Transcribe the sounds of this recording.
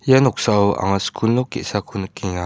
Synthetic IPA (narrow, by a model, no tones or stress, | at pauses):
janɔk̚sawa̰ŋaskʰunːukḛʔsakʰunkiŋa